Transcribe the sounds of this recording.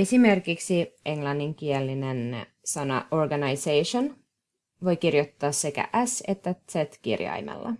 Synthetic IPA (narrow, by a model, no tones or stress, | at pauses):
esime̞rkiksiʔe̞ŋlɑnːiŋkielːinen | sɑnɑ̰ʔorɡɑnɑjsejʃon | ʋo̞jkirjot̪ːɑːsːe̞kæ̰ʔæse̞t̪ːæt̪set̪kḭrjɑ̰jmḛlːɑ̰